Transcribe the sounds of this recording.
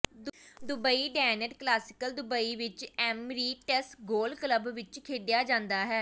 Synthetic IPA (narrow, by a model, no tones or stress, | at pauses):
d̪d̪ʊbəiːɖɛːnəʈklaːsɪ̥kəld̪ʊbəiːʋɪt͡ʃɛːmɾiːʈɛsʈɡoːlkləbʋɪt͡ʃkʰeːɖɪjaːd͡ʒãːnd̪aːɦɛː